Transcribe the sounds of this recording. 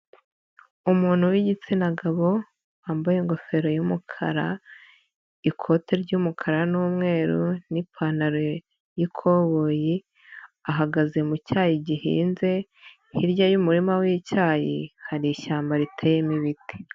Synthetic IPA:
umuːn̥huwiɟit͡sinaɡaβo̞ | aːmbojeŋɡo̞fe̞ɾo̞jumukʰa̰ɾa | ikʰo̞tʰeɾɟumukʰaɾanuːmŋe̞ːɾunipʰanaɾo | jikʰo̞βoji | aɦaɡaze̞mucaːjiɟiɦḭːnze̞ | hiɾɟajumuɾimawiːcaːjḭhaɾiʃaːmbaɾitʰejemiβiti̥

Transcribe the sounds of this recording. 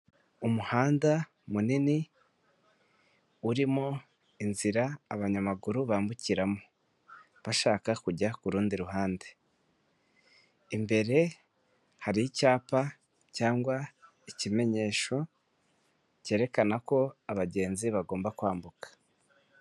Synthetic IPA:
umuhaːnda | munini | uɾimo | inziɾaːβaɲamaɡuɾuβaːmbuciɾamo̥ | βaʃaːkakuɟakuɾuːndiɾuɦaːnde | imbe̞ɾe̞ | haɾiicaːpa | caːŋɡwa | icime̞ɲe̞ːʃo̞ | ce̞ːɾe̞kanako̞aβaɟe̞ːnziβaɡo̞ːmbakwaːmbukḁ

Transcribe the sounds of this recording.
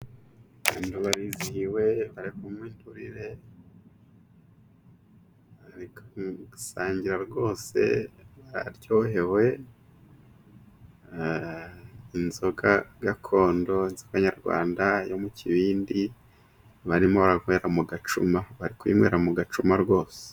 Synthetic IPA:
βaːnduβaɾizihiwe̞βaɾeβumwiːnduɾiɾe̞ | βaɾiksaːɲɟiɾaɾɡo̞ːse̞̰βaɾa̰ɾɟo̞ːhe̞we̞ | inzo̞ɡaɡakʰo̞ːndo̞inzo̞ɡaɲaɾɡwa̰ːndajo̞muciβiːndi | βaɾimo̞βaɾaŋwe̞ɾamuɡat͡ʃumaβaɾikwḭːmwe̞̰ːɾamuɡat͡ʃumaɾɡo̞ːse̥

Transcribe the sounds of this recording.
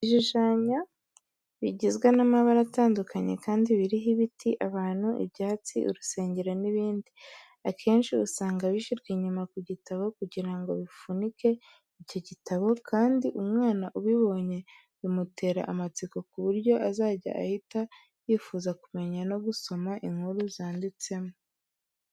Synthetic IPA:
iʒiʒaːɲa | βiɟizɡwenamaβaɾataːndukʰaɲe̞̰kaːndiβiɾiɦiβitʰiʔaβaːn̥huʔḭβɟaːt͡sḭʔṵɾuse̞ːɲɟeɾoniβiːndi | akʰe̞ːnʃiusaːŋɡaβiʃiɾɡiɲumakuɟitaβo̞kuɟiɾaŋɡo̞̰βifunike̞ | ico̞ɟitʰaβo̞kʰaːndiʔumŋaːnaʔuβiβo̞ɲe̞ | βimutʰe̞ːɾa̰ʔamat͡siko̞kuβuɾɟo̞ʔazaːɟa̰ʔa̰hita | jiːfuːzakume̞ɲano̞ɡuso̞maʔiŋhuɾuzaːndit͡se̞mo

